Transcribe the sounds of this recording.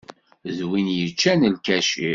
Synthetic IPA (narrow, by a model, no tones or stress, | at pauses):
ðwinjət͡ʃːænəlkæʃḭ